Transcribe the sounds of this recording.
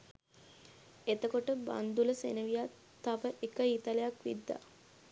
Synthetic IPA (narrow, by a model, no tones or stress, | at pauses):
et̪əkoʈəba̰nd̪uləsḛnəʋija | aʋəʔekəit̪alejakʋḭd̪ːa̰